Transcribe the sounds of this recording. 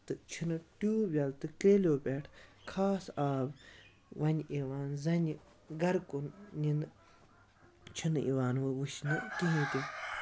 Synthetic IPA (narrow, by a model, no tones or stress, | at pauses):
t̪ɨt͡ʃʰinɨʈuːbʲɐlt̪ɨkɾeːlʲoːpʲeʈʰkʰaːsaːb | ʋɐnʲeʋaːnzɐnʲi | ɡɐɾkunnin | t͡ʃʰinḭʋaːnʋɨʋuʃnɨk̪iɦĩːt̪i